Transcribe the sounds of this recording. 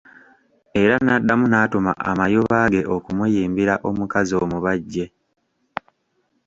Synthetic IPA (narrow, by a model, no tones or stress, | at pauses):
e̞ɾanadːamunaːtoma̰ʔa̰majoβaːɡe̞ʔo̞kumujiːmbiɾaʔo̞mukazio̞ːmuβaɟːe̞